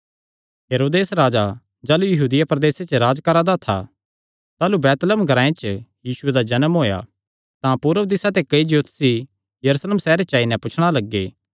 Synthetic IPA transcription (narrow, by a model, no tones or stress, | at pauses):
ɦeːɾoːd̪eːsɾaːd͡ʒa | d͡ʒaːlujɐɦuːd̪ɪjapɾd̪eːset͡ʃɾaːd͡ʒkɐɾad̪at̪ʰa̰ | t̪aːlubɛːt̪ləmɡʱɐɾãːẽt͡ʃjiːsʊed̪ad͡ʒɐnəmɦoːja̰ | t̪ãpuːɾəd̪ɪsat̪ekɐid͡ʒot̪si | jɐɾusleːmsɛːɾet͡ʃaːinɛ̃pʊt͡ʃʰɽ̃alɐɡːeː